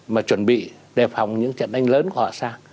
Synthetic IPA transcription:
maː˨˩t͡ɕwə˨˩nɓḭ˧˨ | ɗe˨˩pfa˨˩wŋ͡mɲɨ̰˧˥ŋt͡ɕə̰˧˨nʔa˧jŋ̟ləː˨˦nku˧˩hɔ̰˧˨saː˧ŋ

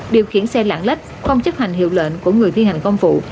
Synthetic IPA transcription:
ɗi˨˩əwxi˧˩ənsɛ˧la̰ː˧˨ŋla˦˥k̚xə˧wŋ͡mt͡ɕə˦˥t̚ha˨˩jŋ̟hḭ˧˨əwlwḛː˧˨nku˧˩əŋɨ˨˩əjt̪ʰi˧ha˨˩jŋ̟kɔ˧ŋ͡mfṵ˧˨

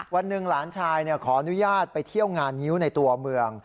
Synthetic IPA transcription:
wa˧nːɯ˨˩ŋlaː˩˦nt͡ɕʰaː˧jni˥˩ɐkʰɔː˩˦ʔa˧nu˦˥jaː˥˩t̪̚pa˧jt̪ʰi˥˩əwŋaː˧nːi˦˥wna˧jt̪u˧ɐmɯ˧əŋ

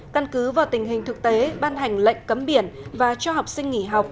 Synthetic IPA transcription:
kə˧nkɨ˨˦vaː˨˩wt̪ï˨˩ŋ̟ɦï˨˩ŋ̟t̪ʰɨ˨˩k̚t̪e˨˦ɓaː˧nɦa˨˩jŋ̟lə̰˧˨jŋ̟kə˨˦mɓi˧˩ənvaː˨˩t͡ɕɔ˧ɦa˨˩wk͡p̚sï˧ŋŋi˧˩ɦa˨˩wk͡p̚

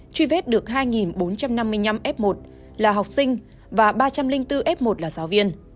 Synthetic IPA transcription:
t͡ɕwi˧vɛ˦˥t̚ɗɨ˨˩ək̚ɦaː˧jŋi˨˩nɓo˨˦nt͡ɕa˧mna˧mːɨ˧əjɲa˧mʔɛ˦˥p̚mo˨˩t̚ | laː˨˩ɦa˨˩wk͡p̚sï˧ŋ̟ | vaː˨˩ɓaː˧t͡ɕa˧mlï˧ŋ̟t̪ɨ˧ʔɛ˦˥p̚mo˨˩t̚laː˨˩zaː˨˦wvi˧ən

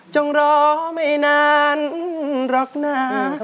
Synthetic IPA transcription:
t͡ɕɔ˧ŋɾɔː˧ma˥˩jnaː˧nɾɔ˨˦k̚naː˧˩

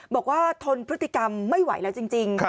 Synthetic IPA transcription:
bɔː˨˩k̚waː˥˩t̪ʰo˧npʰɾɯ˦˥t̪ʰːi˨˩ka˧mːa˥˩jwa̰˩˦jlɛː˦˥wt͡ɕi˧ŋt͡ɕi˧ŋ

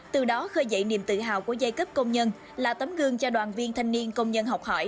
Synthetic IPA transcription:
t̪ɨ˨˩ɗɔ˨˦xəː˧jzə̰˧˨jnḭ˧˨əmt̪ɨ̰˧˨ɦa̰ː˧˨wku˧˩əza˧jkə˦˥p̚kə˧wŋ͡mɲə˧n | laː˨˩t̪ə˨˦mɣɨ˧əŋt͡ɕɔ˧ɗwaː˨˩nvi˧ənt̪ʰa˧jŋ̟ni˧ənkə˧wŋ͡mɲə˧nɦa˨˩wk͡p̚hɔ˧˩j

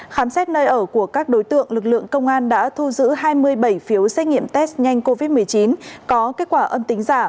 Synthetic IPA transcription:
xaː˨˦msɛ˦˥t̚nəː˧jʔəː˧˩ku˧˩əkaː˦˥k̚ɗo˨˦jt̪ɨ̰˧˨əŋlɨ˨˩k̚lɨ̰˧˨əŋkə˧wŋ͡mʔaː˧nɗa̰ː˧˥t̪ʰu˧zɨ̰˧˥ɦaː˧jmɨ˧əjɓə˧˩jfi˨˦əwsɛ˦˥k̚ŋḭ˧˨əmt̪ɛ˦˥s̚ɲa˧jŋ̟ko˧vi˦˥t̚mɨ˨˩əjt͡ɕi˨˦nkɔ˨˦ke˦˥t̚kwaː˧˩ʔə˧mt̪ï˨˦ŋ̟zaː˧˩

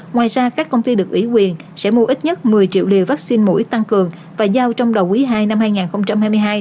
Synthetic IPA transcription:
ŋwaː˨˩jzaː˧kaː˦˥kːə˧wŋ͡mt̪i˧ɗɨ˨˩ək̚ʔi˧˩˦kwi˨˩ən | sɛ̰˧˥mu˧ʔi˦˥t̚ɲə˦˥t̚mɨ˨˩əjt͡ɕḭ˧˨wlḭ˨əwvaː˦˥k̚si˧nmo̰˧˥ʔi˦˥t̪a˧ŋkɨ˨˩əŋ | vaː˨˩zaː˧wt͡ɕɔ˧wŋ͡mɗə˨˩wʔi˨˦ɦaː˧jna˧mhaː˧jŋaː˨˩nxə˧wŋ͡mt͡ɕa˧mhaː˧jmɨ˧jɦaː˧j

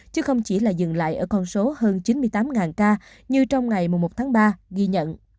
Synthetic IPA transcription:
t͡ɕɨ˨˦˥xə˧wŋ͡mt͡ɕi˧˩laː˨˩zɨ̰˧˨ŋla̰ː˧˨jʔəː˧˩kɔ˧nso˨˦həː˧nt͡ɕi˨˦nmɨ˧əjt̪aː˨˦mŋaː˨˩nkaː˧ | ɲɨ˧t͡ɕɔ˧wŋ͡mŋa˨˩jmu˨˩ŋ͡mmo˨˩t̚t̪ʰaː˨˦ŋɓaː˧ɣi˧ɲə̰˧˨n

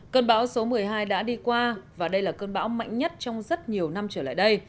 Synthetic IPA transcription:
kəː˧nɓaː˨˦wso˨˦mɨ˨˩əjɦaː˧jɗa̰ː˧˥ɗi˧kwaː˧vaː˨˩ɗə˧jlaː˨˩kəː˧nɓa̰ː˧˦wma̰˧˨jŋ̟ɲə˦˥t̚t͡ɕɔ˧wŋ͡mzə˦˥t̚ɲi˨˩əwna˧mt͡ɕəː˧˩la̰ː˧˨jɗə˧j

